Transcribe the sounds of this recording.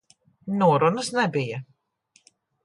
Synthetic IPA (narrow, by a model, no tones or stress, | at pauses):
nuɔɾunəsnɛbija